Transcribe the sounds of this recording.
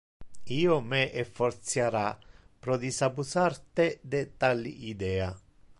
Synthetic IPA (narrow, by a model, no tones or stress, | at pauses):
iːʊmɛʔefːɔrt̪sjaɾapɾɔd̪isabusart̪ɛd̪ɛt̪alːḭʔid̪ɛːa